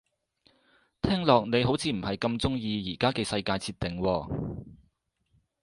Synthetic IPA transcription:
t̪ʰɛː˥ŋlɔː˨k̚ne˨˧jho˨˥wt͡sʰiː˨˧m̩˨˩hɐ˨jkɐ˧mt͡sʊ˥ŋjiː˧jiː˨˩kaː˥kɛː˧sɐ˧jkaː˧jt͡sʰiː˧t̪̚ɪ˨ŋwɔː˧

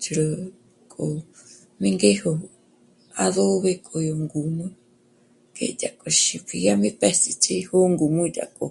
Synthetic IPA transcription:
t͡ʃʰu˧ɾo | kʼo | mi˦ŋɡeho | aðo˦βekʼo˧jo˧ŋɡu˨no˦ | kḛda˨kʼo˧ʃipʰi˧jami˦pɛ˦si˧t͡ʃi˦ho˦ŋɡu˨mũida̰˨kʼo̰˨

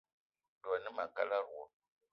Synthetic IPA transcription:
do˨ni˦ma˨ka˦la˦ɾu˨o˨

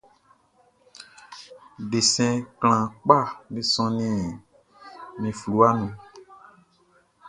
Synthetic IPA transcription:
ɖe˨sɛ̃˨kl̃ã˨k͡pa˦˨nĩ˨sɔ̃˧nĩ˨ | mĩ˨flu˨˦a˦nũ˨

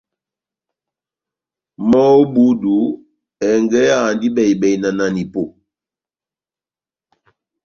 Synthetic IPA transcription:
mɔ˦o˦bu˦du˨˦ | ɛ˨ŋɡɛ˦a˦˨ndi˦bɛ˨i˨bɛ˨i˨na˨na˨ni˨po˨

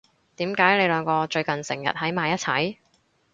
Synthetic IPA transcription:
t̪iː˨˥mkaː˨˥jle˨˧jlœː˨˧ŋkɔː˧t͡ʃɵ˧ɥkɐ˨nsɪ̰˨˩ŋjɐ̰˨t̚hɐ˨˥jmaː˨˧jɐ˥t̚t͡sʰɐ̰˨˥j

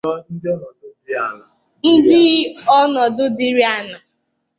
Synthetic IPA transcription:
ɔ˦n̩˦dɔ˦nɔ˨dʊ˦dɪ˦a˦na˨ | n̩˦dɪ˦ɔ˦nɔ˨dʊ˦dɪ˦ɾi˦a˦na˨

